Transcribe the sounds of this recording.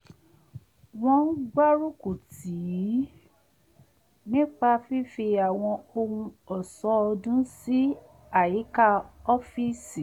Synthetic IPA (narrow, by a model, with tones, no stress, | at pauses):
w̃ɔ̃˧˦ɡ͡ba˦ɾu˦ku˨ti˨ji˨˦ | nĩ˦k͡pa˧fi˦fi˧a˨w̃ɔ̃˧o˧ũ˧ɔ˨sɔ˦ɔ˧dũ˦si˦ | a˦˨ji˨˦ka˦ɔ˦fi˦si˨